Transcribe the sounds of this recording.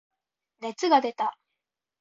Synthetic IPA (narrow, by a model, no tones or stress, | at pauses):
ne̞t͡sɨɡad̪e̞t̪a